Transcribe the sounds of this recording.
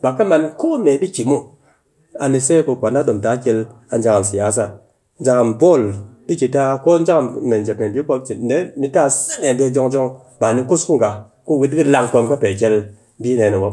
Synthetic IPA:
ba˨ka˦ma˧˨nko˦me˨˦bi˦ki˨mu˦ | a˧ni˧se˦ko˧kʷa˨na˦ɗo˨m˨ta˨˦kʲe˧l | a˨n˦d͡ʒa˧ŋa˨m̩si˨ja˨˦s̬a˦˨ | n̩˦d͡ʒa˧ŋa˨m˨bo˦˨li˦ki˧ta˧ko˦n̩˦d͡ʒa˦ŋa˨me˨n̩˨d͡ʒe˨p̚ŋe˨bi˦ko˧˦pt͡ʃi˨˦de˦mi˧ta˦˨se˦ne˨be˧˦d͡ʒo˧ŋd͡ʒo˦ŋ | ba˨ni˧ku˦smu˦ŋɡa˨ | ko˦˨wi˦tki˦la˧ŋko˧mka˦pe˨k̬ʲe˧l | bi˦ne˨ni˨wo˦

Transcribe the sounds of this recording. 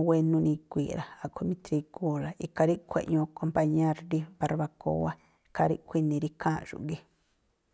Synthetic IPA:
we˧nũ˧nĩ˧kʷi˨ɾa˨a˧kʰʷu˧mĩ˦t̪ɾi˧ku˦la˨i˧ka˧ɾi˦kʷḛ˧ʔɲõ˧ko˧mpa˧ɲẽ˦ɾɾi˦βa˧ɾβa˧ko̰˧wa˦ | i˧ka˧ɾḭ˦ʔkʷi˧nĩ˧ɾi˦kʰã˦ʒ̥ṵ˨ʔɡi˦

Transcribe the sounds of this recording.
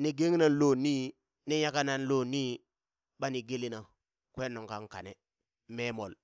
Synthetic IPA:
ni˨ɡe˦ŋ˦na˦˨nlo˦˨ni˦ | ni˦ja˦ka˦na˦˨n˦lo˦ni˦ | ba˦ni˨ɡe˦li˦na˨ | kwe˦no˨ŋka˦ŋka̰˨ne˨ | me˦mo˨l

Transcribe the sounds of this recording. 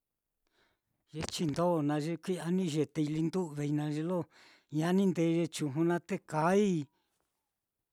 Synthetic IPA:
ʒe˧t͡ʃi˧nd̪o˦˨nã˧ʒe˧kʷi˦a˧nĩ˦˧ʒe˧t̪e˧i˧li˧nd̪u˦ʔβe˧i˧nã˧ʒe˧lo˦ | ɲa˧nĩ˦nd̪e˧˦˧ʒe˧t͡ʃu˧ɦũ˧nã˧t̪e˦ka˨˦i˦

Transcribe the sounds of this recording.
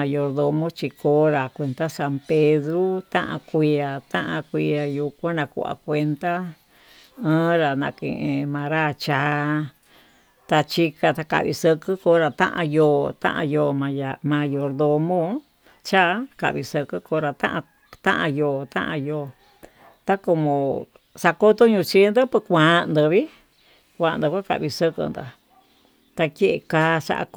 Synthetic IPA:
a˧jo˧ɾðo˧mõ˦t͡ʃi˧koː˧˦ɾa˨kʷe˧nt̪a˦sa˧mpe˧ðɾu˦t̪ã˦ʔã̰˧kʷi˧a˨t̪ã˦ʔã˧kʷi˧a˧ju˧kʷã˦nã˧kṵ˧˨ʔa̰˨kʷe˧nt̪a˦ | ɨ̃ː˦ɾa˨nã˧kḛ̃˨ʔẽ˧mã˧ɾa˦˨t͡ʃa˨˧˦ | t̪a˧t͡ʃi˧ka˧t̪a˧ka̰˨ʔβḭ˧sə˧kɨ˦ko˧˦ɾa˨t̪ã̰˦ʔã̰˧joː˧˨t̪ã̰˦ʔã̰˧joː˧˨mã˧ja˨mã˧jo˧ɾðo˧mõ˦ | t͡ʃa˦ka̰˨ʔβi˧sə˧kɨ˦ko˧ɾa˧t̪ã˦ʔ | t̪ã̰˦ʔã˧joː˧t̪ã̰˦ʔã̰˧joː˧ | t̪a˦ko˧mõ˨ | sa˧ko˦t̪o˦ɲũ˧t͡ʃi˧˦nd̪o˦pɨ˧kʷã˨˧nd̪ɨ˨˧βi˦ | kʷã˧˨˧nd̪ɨ˧kʷa˦ka̰˧ʔβi˧sə˧kɨ̰˧nd̪a̰˨ | t̪a˧ke˦ʔe˧˨kaː˧˦ʂa̰˧ʔa̰˧

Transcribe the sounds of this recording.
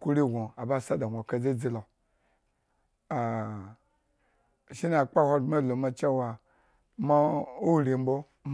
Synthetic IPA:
ku˦ɾi˦˨ɡo˨a˨ba˦˨sa˦da˨o˨ka˨d͡ze˦d͡zi˦la˨ | a˨ | ʃi˦na˨k͡pa˦hʷa˧dma˦lo˨ma˨t͡ʃa˦˨wa˨ | ma˦o˦ɾi˨m̩˦bo˦ | m

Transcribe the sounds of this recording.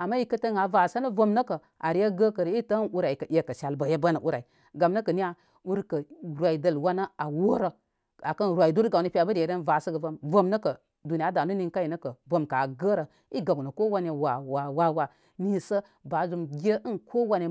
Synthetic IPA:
a˨mːa˦i˦kə˦tə˦ŋa˨va˨sə˦nə˦vo˦mnə˦kə˨ | ʔa˨ɾi˦je˦ɡə˦kə˨ɾi˦tə˦nu˦ɾa˨i˨kə˨ʔʲe˨kə˨ʃa˨lbə˨je˦ba˦nə˨ʔu˦ɾa˨i˨ | ɡa˨mnə˦kə˨ni˦a˦ | u˦ɾkə˨ɾwa˨i˨də˦lwa˦nə˦a˨wo˦ɾə˨ | a˨kə˦n˨ɾʷwa˨i˨du˦ɾɡa˨ni˦pʲi˦a˨bə˦de˨˦ɾe˦nva˨sə˦ɡə˨vo˦mvo˦mnə˦kə˨ | du˨ni˦a˦da˨nə˦ni˦ŋka˦ji˨nə˦kə˨vo˦mka˨ɡə˦ɾə˨ | i˦ɡa˨ɡu˨nə˨ko˦wa˦n˦e˨wa˨wa˨wa˦wa˨ | ni˦sə˦ | ba˨˦zu˨mɡʲe˦ʔə˦nkʰo˦wa˦ne˨

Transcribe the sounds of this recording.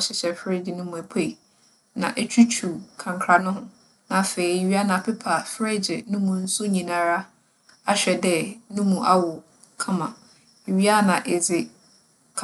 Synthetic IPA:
ɔ˦ɕɪ˦ɕɛ˨fɾe˦d͡ʑɪ˨nʊ̃˦mũ˨æ˨pʰe˦˨i˨ | nã̰˨ʔɛ˦t͡ɕᶣʰu˦t͡ɕʰu˨kʰã˨ŋkʰɾa˨nʊ̃˦ɦʊ̃˦ | nã˨fe˨i˦˨ɥi˦a˦nã˨pʰɪ˦pʰa˨fɾe˦d͡ʑɪ˨nʊ̃˦mũ˨n̩˦sʊ˦ɲĩ˨nã˦ɾa˦ | a˦ɕᶣɛ˨dɛ˦˨nʊ̃˦mũ˨ʔa˦wʊ˨ | kʰã˦mã˨ | ɥi˦a˦nã˨ʔɛ˨d͡zɪ˨ | kʰ

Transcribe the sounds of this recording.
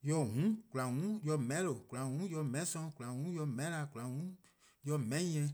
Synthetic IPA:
jɔ˧ɦũ˨˦ku˨la˨ŋũ˨˦jɔ˧mɛ̃˨˦lo˨ku˨la˨ŋũ˨˦jɔ˧mɛ̃˨˦sɔ̃˧ku˨la˨wũ˨˦jɔ˧mɛ̃˨˦la˧˨ku˨a˨ŋũ˨˦ | jɔ˧mɛ̃˦ĩ˦ɛ̃˧

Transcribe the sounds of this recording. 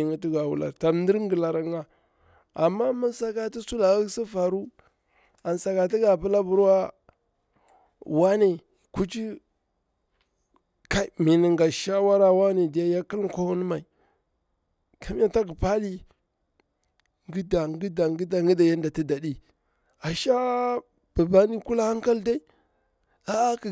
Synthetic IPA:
ŋi˦t̬i˦ɡa˨wṵ˨la̰˨ɾta˨m˦ndi˦ɾŋɡə˨la˨ɾa˦ŋa˦ | a˨mːa˦ma˦n˦sa˦ka˦ti˦su˦la˨a˦si˦fa˨ɾu˦ | a˨nsa˨ka˨t̬i˦ɡa˨pə˦la˦bu˨ɾwa˦ | wa˦ne˨ | ku˦t͡ʃi˦ | ka˦i˨mi˨ni˨ŋɡa˨ʃa˦wa˦ɾa˦wa˦ne˨di˨ja˦ja˦ki˦lkʷa˦wu˦n˦ma˨i˨ | kʰa˦m˦a˦ta˦ɡi˨pa˦di˦ | ŋɡi˦da˨ŋɡi˦da˨ŋɡi˦da˨ŋɡi˦da˨ja˦n˦da˨ti˦da˨ɗi˦ | a˨ʃa˦ | b̥a˨ba˦ni˦ku˦la˦ha˦ŋka˦lda˦i˦ | a˦a˦k

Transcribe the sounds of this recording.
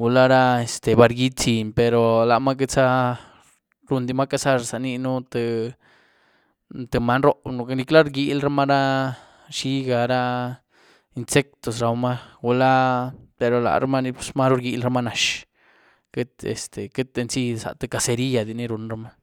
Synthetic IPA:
ɡu˧la˦ɾa˦e˨st̪e˨ba˧ɾɡi˦t͡si˨npe˨ɾo˨la˨ma˦k̬e˦t͡sa˦ | ɾu˧nd̪i˧ma˦ka˧sa˦ʐsa˨ni˧nu˦t̪ɨ˧ | t̪e˧˨ma˧˦nɾo˦nu˧ni˧kla˦ɾɡi˧˦lɾa˦ma˦ɾa˦ | ʃi˦ɡa˧ɾa˦ | i˧nse˦k̚t̪o˨s̬ɾa˧wma˦ɡu˧la˦pe˨ɾo˨la̰˨ɾa˦ma˦ni˧psma˦ɾu˦ɾɡi˧lɾa˦ma˦na˨˧ʃ | ke˦t̪ḛ˨st̪e˨ke˦t̪̚e˧nsi˦sa̰˨t̪e˧ka˧se˧ɾi˦ja˧d̪i˧˨ni˦ɾu˧nɾa˦ma˦

